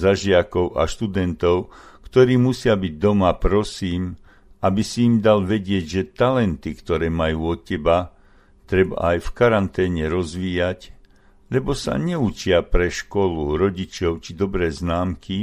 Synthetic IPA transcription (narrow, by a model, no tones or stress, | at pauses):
zaʒɪakɔʊʔa̰ʃt̪ud̪ɛnt̪ɔʊkt̪ɔɾiːmusɪabiɟ̚d̪ɔmapɾɔsiːm | abisiːmd̪alʋɛɟɪɛɟʒɛt̪alɛnt̪ikt̪ɔɾɛːmajuːɔt̪̚cɛba | t̪ɾɛba̰ajfkaɾant̪ɛːɲɛɾɔzʋiːjac | lɛbɔsa̰ɲɛut͡ʃɪapɾɛʃkɔluɾɔɟit͡ʃɔʊt͡ʃid̪ɔbɾɛːznaːmkʰi